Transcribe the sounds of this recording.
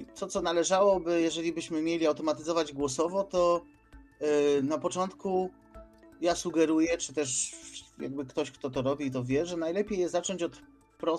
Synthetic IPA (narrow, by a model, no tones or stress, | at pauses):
t̪sɔt̪sɔnalɛʐawɔbɘjɛʐɛlʲibɘɕmɘmʲjelʲiawt̪ɔmat̪ɘzɔvad͡ʑɡwɔsɔvɔt̪ɔ | napɔt͡ʂɔnt̪ku | jasuɡɛɾujɛt͡ʂɘt̪ɛʂja̰ɡ̚bɘkt̪ɔɕkt̪ɔt̪ɔɾɔbʲit̪ɔvʲjɛʐɛnajlɛpʲjejɛzat͡ʂɔɲt͡ɕɔt̪ | pɾɔ